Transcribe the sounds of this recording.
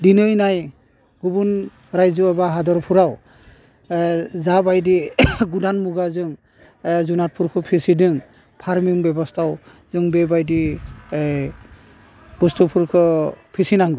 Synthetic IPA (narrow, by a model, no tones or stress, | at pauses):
dinɯjnaj | ɡubun | ɾajzɯabaɦadɔɾpʰuɾaw | zabajdiɡudanmuɡazɯŋ | zunat̚pʰuɾkʰɯpʰisidɯŋ | pʰaɾmiŋbɛbɔstʰaw | zɯŋbebajdi | b̥ustupʰuɾkʰɯpʰisinaŋɡɯ